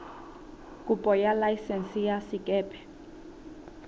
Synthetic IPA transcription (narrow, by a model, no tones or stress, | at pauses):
kʼupʼɔjalajsɛnsijasikʼɛːpʰʼɛ̥